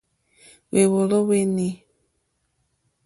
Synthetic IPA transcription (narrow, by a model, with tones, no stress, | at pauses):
we˨wo˨lo˦we˦ni˦